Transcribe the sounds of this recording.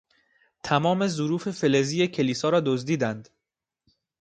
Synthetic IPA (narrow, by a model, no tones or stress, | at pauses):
t̪ʰæmɒːme̞zoɾuːfe̞fe̞leziːjecʰe̞liːsɒːɾɒːd̪ozd̪iːd̪ænd̪̥